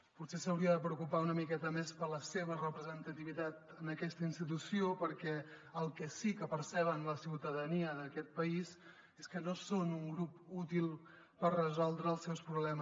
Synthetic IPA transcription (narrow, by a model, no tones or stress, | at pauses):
put̪sesəwɾiəðəpɾəukupaunəmikɛt̪əmespələseβərəpɾəzənt̪ət̪iβit̪at̪ənəkɛst̪əinst̪it̪usiopəɾkɛəlˠkəsikəpəɾsɛβ̞ənləsiwt̪əðəniəðəkɛt̪̚pəiz | eskənosonuŋɡɾuput̪ilˠ | pərrəzɔlˠd̪ɾəːlˠsɛwspɾuβlɛmə